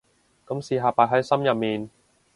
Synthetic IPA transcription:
kɐ˨˥msiː˨˧ɦaː˨˩paː˧˩ɦɐ˨˥jsɐ˥mjɐ˨p̚miː˨n

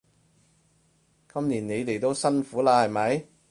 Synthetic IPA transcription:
kɐ˥mliː˨˩ne˨˧jt̪e˨jt̪o˥wsɐ˥nfuː˨˥laː˧hɐ˨jmɐ˨˥j

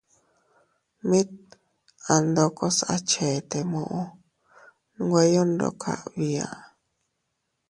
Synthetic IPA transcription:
mĩ˦t̪̚ | a˨nd̪o˧ko˦sa̰˦t͡ʃe˨t̪e˨mõ˧˨ʔõ˦ | n˦ɡʷe˧jo˦nd̪o̰˧kʰa̰˨ʔβi˧a̰˨

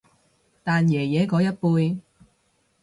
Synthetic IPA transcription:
t̪aː˨njɛː˨˩jɛː˨˥kɔː˨˥jɐ˥t̚puː˧j

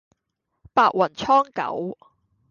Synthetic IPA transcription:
paː˧ʔ̚wɐ˨˩nt͡ʃʰɔː˥ŋkɐ̰˨˥w

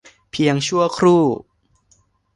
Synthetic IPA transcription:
pʰi˧əŋt͡ɕʰu˥˩əkʰɾuː˥˩

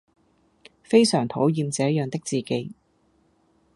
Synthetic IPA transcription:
fe˥jsœː˨˩ŋt̪ʰo˨˥wjiː˧mt͡sɛː˨˥jœː˨˧ŋt̪ɪ˥k̚t͡siː˨ke˨˥j

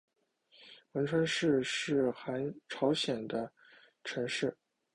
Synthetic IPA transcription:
wə˧˥nʈ͡ʂʰwa˥nʂɻ̩˥˧ʂɻ̩˥˩xa˧˥nʈ͡ʂʰɑ˧˥ʊɕjɛ˨˩nd̪ə˦ | ʈ͡ʂʰə˧˥nʂɻ̩˥˩

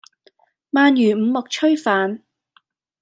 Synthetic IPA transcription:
maː˧njyː˨˩m̩˨˧mʊ˨k̚t͡ʃʰɵ˥ɥfaː˨n

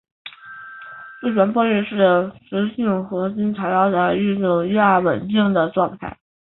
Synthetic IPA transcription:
twe˥˩ʈ͡ʂwa˧˥npwɔ˥ɛ˥˧ʂɻ̩˥˩d̪ə˩ʂə˧˥ɕi˥˩ŋxɤ˧˥t͡ɕi˥nt͡sʰa˧˥ɪjɑ˥˩ʊt͡sa˥˧˩ɪy˥˧njʊ˥˩ŋi˥˧a˥˩wə̰˨˩nt̪i˥˩ŋd̪ə˩ʈ͡ʂwɑ˥˧ŋt̪ʰa̰˥˩ɪ

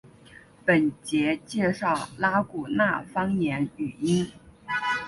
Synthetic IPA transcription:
pə˨˩nt͡ɕjɛ˧˥t͡ɕjɛ˥˧ʂɑ˥˩ʊla˥ku˨˩na˥˩fɑ˥ŋnjɛ˧˥ny˨˩i˥n

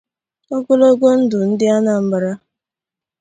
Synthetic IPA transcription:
ɔ˦ɡʊ˦lo˦ɡo˦n̩˦dʊ˨n̩˦dɪ˦a˦na˨m̩˦ba˨ɾa˦

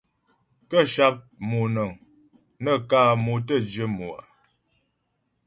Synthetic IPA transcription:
kə˦ʃa˦p̚mu˨nə˨ŋ | nə˦kaː˦˨mu˨tə˦˨d͡ʒə˦mu˨a̰˨

